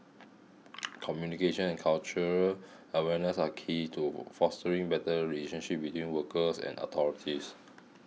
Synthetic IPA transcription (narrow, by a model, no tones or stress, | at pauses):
kʰɔmjunikeʃə̃nɛ̃nkʰalt͡ʃəɹəl | əwɛnəsakʰitʰufɔstəɹĩŋbɛtəɹileʃə̃nʃip̚witwĩnwəkəsɛ̰̃nɔ̰t̪ʰɔɹitʰis